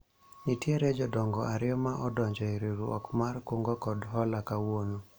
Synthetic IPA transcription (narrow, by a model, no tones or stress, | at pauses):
itjeɾed͡ʒɔdɔŋɡɔʔaɾɪɔmaʔɔdɔɲd͡ʒɔiɾiɾuɔ̰kmarkoŋɡɔkɔdɦɔlakawono